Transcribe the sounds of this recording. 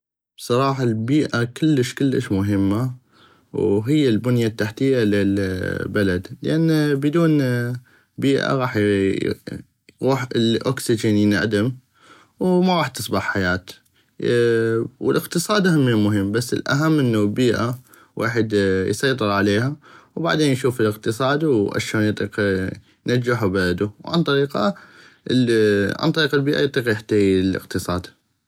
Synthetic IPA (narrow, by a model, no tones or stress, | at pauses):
b̥sˤɑɾˤɑːħɑlbiːʔakɪlːəʃkɪlːəʃmʊɦɪmːa | wɦɪjːalbʊnjat̪ːaħt̪ɪjːalɪlbalad̪lʔanːbɪd̪uːn | biːʔa̰ɣɑːħ | jɣuːħɪlʔo̰ksɪd͡ʒənjɪna̰ʕd̪am | wmaɣˤɑːħt̪ɨsˤbɑħħajaːt̪ | wɪləqt̪ɨsˤɑːd̪ʔahamːimʊɦɪmːbasːɪ̰lʔa̰ɦamːʔɪnːulbiːʔa | wa̰ːħɪd̪jsˤɑjt̪ˤɨɾʕaleːɦawba̰ʕd̪eːnjʃuːfɪləqt̪ɨsˤɑːd̪wʔa̰ʃoːnjt̪ˤiːq | nad͡ʒːaħubalad̪uwʕa̰nt̪ˤɑɾiːqɑ | ʕa̰nt̪ˤɑɾiːqalbiːʔajt̪ˤːiːqjaħt̪ajilɪ̰qt̪ɨsˤɑːd̪